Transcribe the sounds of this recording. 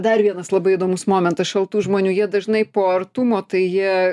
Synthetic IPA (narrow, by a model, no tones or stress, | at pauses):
d̪ɐrʋʲiɛnɐslˠɐbɐɪɪd̪oːmʊsmoːmʲɛnt̪ɐsʃɐlˠt̪uːʒmoːnʲuːjiɛd̪ɐʒnɐɪpoːɐrt̪umoːt̪ɐɪjiɛ